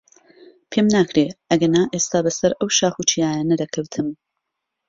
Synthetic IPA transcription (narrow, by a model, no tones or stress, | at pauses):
pʰeːmnaːkɾeːʔɐɡɐnaːʔeːst̪aːbɐsɐɾʔɐwʃaːxut͡ʃʰijaːjanɐdɐkʰɐwt̪ʰɨm